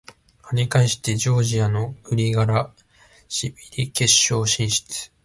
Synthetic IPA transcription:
aɲikãĩɕi̥t̪e̞d͡ʑo̞ːʑiano̞ɯ̟ɾʲiɡaɾa | ɕibʲiɾʲike̞ɕːo̞ːɕĩɰ̃ɕi̥t͡sɨ̥

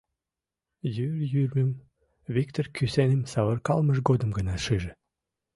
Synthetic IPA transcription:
jyrjyrʲmə̆m | βik̚t̪orkysænĕmsɑβə̆rkɑlməʃɡod̪əmɡənɑʃiʒĕ

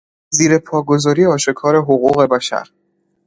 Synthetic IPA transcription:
ziːɾe̞pʰɒːɡo̞zɒːɾijeɒːʃe̞kʰɒːɾe̞ɦoɣuːɣe̞bæʃæ̰ɾ

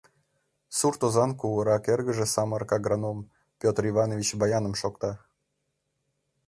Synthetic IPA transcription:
surt̪ozɑnkuwəɾɑkerɣəʒĕsɑmərkɑɡɾanom | pʲot̪rivɑnovʲit͡ɕbɑjɑnə̆mʃokt̪ɑ

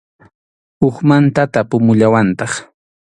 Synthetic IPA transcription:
ʊχmant̪at̪apʊmʊʎawant̪ɑχ

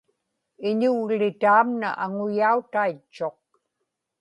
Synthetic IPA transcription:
ɪɲʊɣlɪt̪aːmna̰ʔaŋʊjaut̪ait͡ʃːo̞q̚

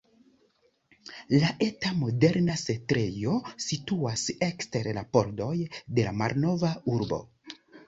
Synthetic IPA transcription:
laʔe̞tamo̞de̞ɾnasetɾe̞jo̞situase̞kste̞ɾlapo̞ɾdo̞jde̞lamaɾno̞vauɾbo̞̰

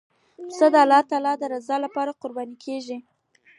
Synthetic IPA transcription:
səd̪əalːɑt̪ɑlɑd̪əɾazɑlapɑɾaqʊɾbɑnikʰeʒi

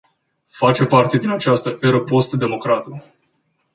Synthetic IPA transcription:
fat͡ʃe̞part̪e̞d̪inat͡ʃast̪əʔeɾəpost̪d̪e̞mo̞kɾat̪u

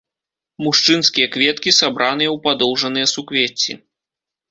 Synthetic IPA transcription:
muʂt͡ʂɨnskʲijɐkvʲɛt̪kʲisabɾʔanɨjɐwpad̪ɔwʐɐnɨjɐsukvʲet͡sʲːḭ

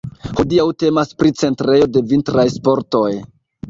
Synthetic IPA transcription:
hodiawte̞maspɾit͡se̞ntɾe̞jo̞de̞vintɾajspo̞ɾto̞j

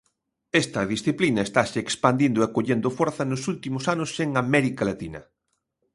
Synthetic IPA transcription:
est̪ɐðisθiplinɐest̪aʃeekspand̪ind̪oekoʎend̪ofoɾθɐnʊsult̪imʊsanʊseŋamɛɾikalat̪inɐ̰

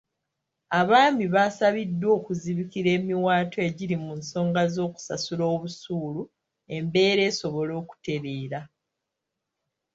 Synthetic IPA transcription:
aβaːmiβasaβidːwo̞ːkuziβikiɾe̞ːmiwaːtoe̞ɟiɾimunso̞ːŋɡazo̞ːku̥sa̰sulo̞ːβusuːlu | e̞mbe̞ːɾe̞ːso̞βo̞lo̞ːku̥te̞ɾeːɾa

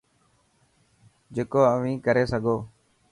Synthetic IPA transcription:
d͡ʒeːkoːəʋĩːkəɾeːsəɡʱoː

